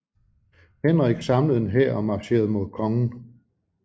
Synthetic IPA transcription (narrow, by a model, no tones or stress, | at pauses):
henʁeɡ̥sɑ̈mləðˠnɦeɐ̰ɒ̽mɑ̥̈ɕe̝̰ɐðˠmo̝ð̞ˠkʰɒ̽ŋn̩